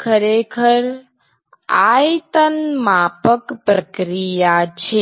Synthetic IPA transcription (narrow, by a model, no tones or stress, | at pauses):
kʰəɾeːkʰəɾ | aːjt̪ənmaːpəkpɾəkɾijat͡ʃʰe